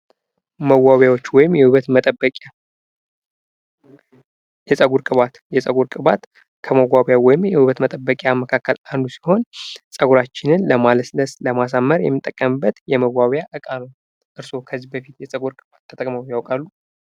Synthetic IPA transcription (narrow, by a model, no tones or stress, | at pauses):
məwːawjawo̞t͡ʃːwɔjɪmjɛhuβət̪mət̪ʼəbəkʼa | jɛsʼəɡuɾkʼɨβat̪jɛsʼəɡuɾkʼɨβat̪ | kʰəməwaβjawɔjɪmjɛhuβət̪mət̪ʼəbːəkʼjaməkʰakʰːəland̪usi̥ho̞nsʼəɡuɾat͡ʃːɪnɨnləmaləsləsləmas̬amːəɾjɛ̰mːɨt̪ʼːəkʼːəmɨbːət̪jɛməwːaβjaʔɨkʼanəw | ʔɨɾso̞kʰəzːibəfit̪jɛsʼəɡuɾkʼɨβat̪ʰːət̪ʼəkʼməwjawkʼalːu